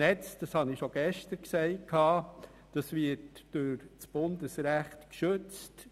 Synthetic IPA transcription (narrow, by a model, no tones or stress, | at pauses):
ɛt͡sd̥ɑshɑnɪʃoɡ̥ɛʃtəɾksɛɪt̚kʰɑː | d̥ɑsʋɪtd̥ʊɾt͡sb̥ʊndəsɾæχtkʃɵt͡st